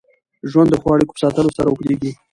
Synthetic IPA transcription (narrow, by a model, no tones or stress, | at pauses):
ʒwand̪ːəxwɑɽiko̥pə̥sɑt̪əlosaɾaukɽeɡi